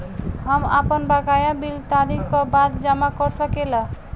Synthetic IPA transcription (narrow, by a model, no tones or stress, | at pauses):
ɦəmapənbaɡajabilt̪aɾikkɔbad̪d͡ʒamakɔɾsəkela